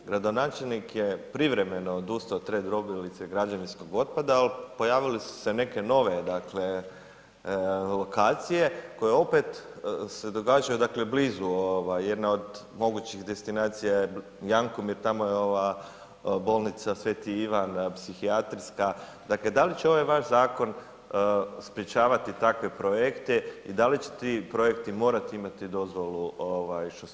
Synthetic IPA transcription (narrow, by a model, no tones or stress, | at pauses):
ɡɾad̪onaːt͡ʃelnikjepɾiʋɾe̞meno̞d̪uːst̪ot̪ɾed̪ɾo̞bilit̪seɡɾad͡ʒaninsko̞ɡo̞t̪̚pad̪aːlpo̞jaːʋilisu̥sene̞ke̞no̞ʋe̞d̪akle̞ | lo̞kaːt̪sije̞ko̞jeo̞pe̞t̪se̞d̪o̞ɡaːd͡ʒajud̪akle̞bliːzuoʋajje̞d̪nao̞d̪ | mo̞ɡut͡ɕiɣd̪e̞st̪inaːt̪sijaje | jaŋkomjiɾt̪amo̞jeo̞ʋa | bo̞lˠnit̪sasʋe̞t̪iiʋanpsixiat̪ɾska | d̪akle̞d̪alit͡ɕeo̞ʋajʋaʃzaːko̞n | spɾet͡ʃaːʋat̪it̪akʋepɾojekt̪eid̪alit͡ɕe̥t̪ipɾo̞je̞kt̪imo̞ːɾat̪iimat̪id̪o̞zʋo̞luoʋajʃt̪o